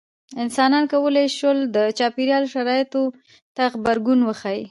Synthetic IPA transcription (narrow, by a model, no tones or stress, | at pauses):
ɪnsɑnɑnkawəleʃwəld̪ət͡ʃɑpiɾjɑloʃaɾɑjɪt̪o | t̪axbaɾɡunwəxaji